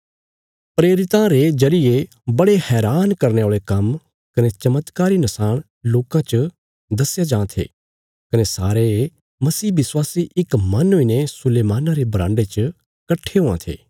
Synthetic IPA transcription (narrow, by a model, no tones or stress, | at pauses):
pɾeːɾɪt̪ãɾed͡ʒɐɾɪe | bɐɽehɛːɾaːnkɐɾneoːɭekɐm | kɐnet͡ʃɐmət̪kaːɾinɐsaːɽ̃ | loːkãt͡ʃə | d̪ɐsɪjad͡ʒãːt̪ʰḛː | kɐnesaːɾe | mɐsiːʋɪswaːsiʔɪkmɐnɦoinesʊleːmaːnaɾebɾã̰ːɳɖet͡ʃə | kɐʈʰːeɦoã̰t̪ʰḛː